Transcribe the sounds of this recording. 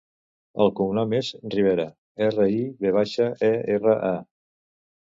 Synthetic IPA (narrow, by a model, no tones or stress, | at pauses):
ə̰lˠkumnamezriβ̞eɾə | erəiβeβ̞aʃəɛerəʔa